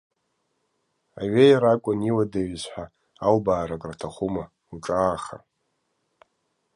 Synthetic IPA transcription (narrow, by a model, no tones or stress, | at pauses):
a̰ɥejaɾakʷʼʊniwadaɥzħʷᶣa | albaːɾakʼratʰaχʷuma | uʈ͡ʂʼaːχa̰